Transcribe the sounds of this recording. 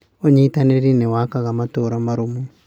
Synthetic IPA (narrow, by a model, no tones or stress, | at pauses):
oɲeitaneɾinɛwakaɣamatoɾamaɾumu